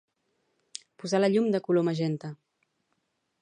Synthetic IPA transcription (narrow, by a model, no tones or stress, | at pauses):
puzaləʎumd̪əkuloməʒɛnt̪ə